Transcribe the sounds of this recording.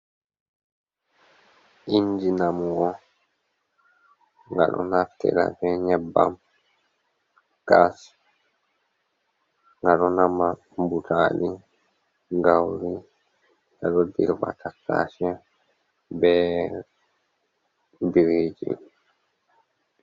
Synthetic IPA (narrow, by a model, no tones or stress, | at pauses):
ʔind͡ʒinamuɡɔ | ŋɡa̰ɗɔ̰naftɛ̰la̰fɛɲɛbːa̰m | kas | ŋɡaɗɔnama | butʰaːli | ɡawɾi | aɗɔdḭɾba̰tʰakːa̰ːʃɛ | bɛ | biɾeːd͡ʒḭ